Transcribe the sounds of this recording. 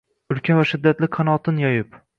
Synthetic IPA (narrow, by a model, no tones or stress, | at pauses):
ʊɾkʲavaʃɪd̪ːat̪lɪqʰɑnɒt̪ʰɪnjɒjɪp